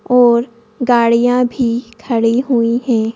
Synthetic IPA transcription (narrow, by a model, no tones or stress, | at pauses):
ɔːɾ | ɡaːɽijãbʱikʰɐɽiɦuihɛ̃ː